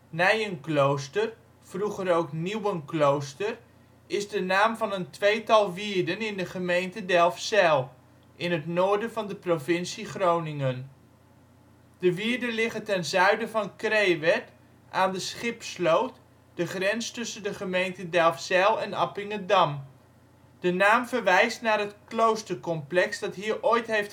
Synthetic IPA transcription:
nɛjənklowstər | v̥ruχərowkniwənklowstər | ɪzdənaːmvɑnəntʋejtɑlˠʋiːɹdənɪndəχəmejntədɛlˠfsɛːlˠ | ʔɪnətnoːɹdəvɑndəprovɪnsiχrownɪŋən | dəʋiːɹdənlɪχətɛnzœɥdəvɑnkrejʋɛt | ʔaːndəsχɪpslowt | d̥əχrɛnstɵsəndəχəmejntədɛlˠfsɛːlˠɛnɑ̰pɪŋədɑm | d̥ənaːmvəɹʋɛjstnaːrɦətklowstəɹkɔmplɛksd̥ɑtɦiːɹʔojtɦejft

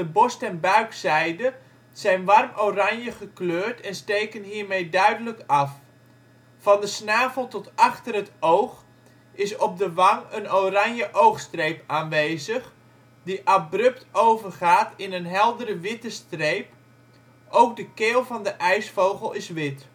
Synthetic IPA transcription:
dəbɔstɛnbœɥksɛjdə | z̥ɛjnʋɑrmorɑnjəχəkløːɹtɛnstejkənɦiːɹmejdœɥdələkɑf | fɑndəsnaːvəlˠtɔtɑχtərətowχ | ɪsɔb̚dəʋɑŋənowrɑnjəʔowxstrejpaːnʋeːzəχ | diʔabrɵp̚towvərχaːtɪnənɦɛlˠdəɾəʋɪtəstrejp | ʔowk̚dəkeːlˠvɑndəʔɛjsfowχəlˠɪsʋɪt

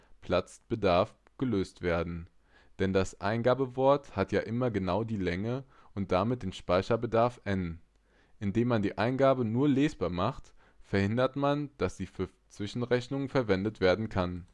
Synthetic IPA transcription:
pʰl̥at͡sb̥ədaɐf | ɡ̥əløːstv̥eːɐdn̩ | d̥ɛndasʔa̰ɪnɡaːbəvɔɐthatjaːʔɪmɐɡənaʊdiːlɛŋə | ʔʊnt̚d̥amɪt̚d̥eːnʃpaɪçɐbədaɐfʔɛn | ʔɪndeːmːandiːʔaɪnɡaːbənuːɐleːsb̥aːɐmaχt | fɛɐhɪndɐtmand̥asz̥iːfyːɐ | t͡sv̥ɪʃn̩ʁɛçnʊŋəfɛɐvɛndətv̥eːɐdn̩kʰan

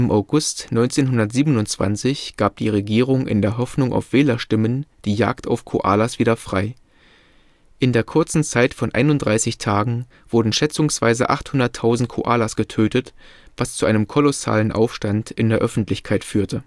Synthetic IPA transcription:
ʔɪmʔaʊɡʊstnɔʏnt͡seːnɦʊndɐtz̥iːbənʊnt͡sv̥a̰nt͡sɪçɡ̥aːp̚d̥ḭːʁeɡiːʁʊŋʔɪ̰ndeːɐɦɔfnʊŋʔa̰ʊfv̥eːlɐʃtɪmənd̥iːja̰ːkta̰ʊfkʰo̰ʔa̰ːlasv̥iːdɐfʁ̥aɪ | ʔɪndeːɐkʰʊɐt͡sn̩t͡saɪtfɔnʔa̰ɪnʊntdʁaɪsɪçtʰaːɡŋ̩ | v̥ʊɐdn̩ʃɛt͡sʊŋsv̥a̰ɪzə̰ʔa̰χthʊndɐtʰːaʊzn̩t̚kʰo̰ʔaːlasɡ̥ətʰøːtətv̥ast͡suʔaɪnəmkʰɔlɔsa̰ːlənʔa̰ʊfʃtantʔɪndeːɐʔœfn̩tlɪçkʰaɪtfyːɐtʰə

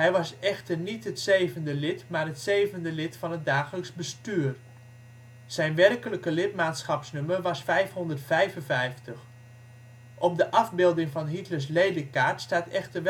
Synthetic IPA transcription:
ɦɛjʋɑsɛxtərnitɦətseːvəndəlɪtmaːrɦətseːvəndəlɪtfɑnɦət̚daːχələksbəstyːr | z̥ɛjnʋɛrkələkəlɪtmaːtsχɑpsnømərʋɑsfɛjfɦɔndərtfɛjvənvɛjftəx | ʔɔpdəʔɑvbɪlˠdɪŋvɑnɦitləɹs̬leːdəkaːɹtstaːtɛxtərʋ

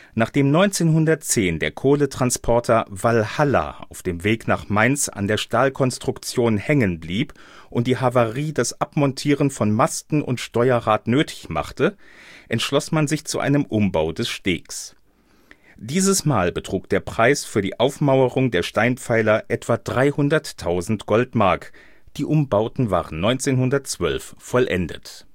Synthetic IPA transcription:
naːχd̥eːmnɔʏnt͡seːnɦʊndɐtt͡seːndḛːɐkʰoːlətʁ̥anspʰɔɐtʰɐvalhala̰ʔa̰ʊfd̥eːmveːknaːχmaɪnsa̰ndeːɐʃtaːlkʰɔnstʁ̥ʊkt͡sjoːnhɛŋənbliːp | ʔʊntd̥iːɦavaʁiːdasʔapmɔntʰiːʁənfɔnmastn̩ʊ̰ntʃtɔʏɐʁaːtnøːtʰɪ̥çma̰χtəʔɛntʃlɔsmanzɪçt͡suʔa̰ɪnəmʔʊmbaʊdɛsʃtḛːks | d̥iːzəsmaːlbətʁ̥uːk̚d̥eːɐpʁ̥aɪsfyːɐdḭːʔaʊfmaʊəʁʊŋdeːɐʃtaɪnpp͡faɪlɐʔɛtv̥adʁaɪhʊndɐtʰːaʊzn̩tɡ̥ɔltmaɐk | d̥iːʔʊmbaʊtn̩va̰ːʁənnɔʏnt͡seːnhʊndɐtt͡sv̥œ̰lfːɔlʔɛ̰ndə̰t

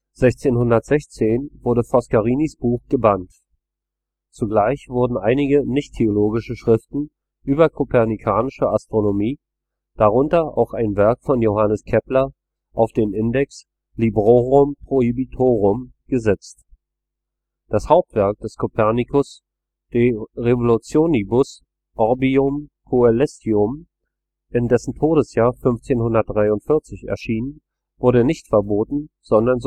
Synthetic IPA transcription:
z̥ɛçt͡seːnhʊndɐtz̥ɛçt͡seːnvʊɐdəfɔskaʁiːnisb̥uːxɡ̥əbant | t͡suɡlaɪçv̥ʊɐdn̩ʔaɪnɪɡənɪçtʰːeoloːɡɪʃəʃʁ̥ɪftn̩ | ʔyːbɐkʰopʰɛɐnikʰaːnɪʃəastʁ̥onomiː | d̥aʁ̞ʊntɐʔa̰ʊxaɪnvɛɐkfɔnjohanəskʰɛplɐ | ʔaʊfd̥eːnʔɪndɛks | libʁoʁʊmpʁ̥oibitʰoːʁʊm | ɡ̥əzɛt͡st | d̥ashaʊp̚tv̥ɛɐk̚d̥ɛskʰopʰɛɐnikʰʊs | d̥eʁevolut͡sjoːnibʊs | ʔɔʁbiʊmkʰoɛlɛstiʊm | ʔɪndɛsn̩tʰoːɾəsjaːɐfʏnft͡seːnhʊndɐt̚d̥ʁaɪʊntfɪɐt͡sɪçɛ̰ɐʃiːnən | vʊɐɾənɪçtfɛɐboːtn̩ | z̥ɔndɐnz

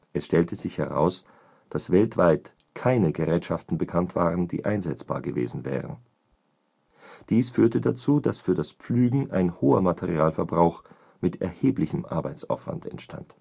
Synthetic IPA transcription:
ʔɛsʃtɛltəzɪçhɛʁa̰ʊs | d̥asv̥ɛltv̥aɪt | kʰaɪnəɡəʁɛːtʃaftn̩bəkʰantv̥aːʁəndḭːʔaɪnzɛt͡sb̥a̰ːɐɡəvḛːzn̩vɛ̰ːʁən | d̥iːsfyːɐtədat͡suːdasfyːɐdaspp͡flyːɡŋ̩ʔa̰ɪnhoːɐmatʰɛʁiaːlfɛɐbʁaʊx | mɪtʰɛ̰ɐheːplɪçəmʔa̰ɐbaɪt͡sa̰ʊfv̥a̰ntɛ̰ntʃtʰa̰nt

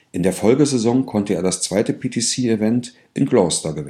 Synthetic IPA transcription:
ʔɪndeːɐfɔlɡəzezɔŋkʰɔntəeːɐɾast͡sv̥aɪtəpʰitʰisiːɪvɛnt | ʔɪnkloːstɐɡəvɪ

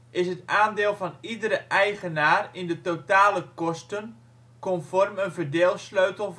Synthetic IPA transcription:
ʔɪsətaːndeːlˠfɔnidəɾəʔɛjχənaːrindətotaːləkɔstən | kɔmfɔrmənvərdeːlˠsløɥtəlˠ

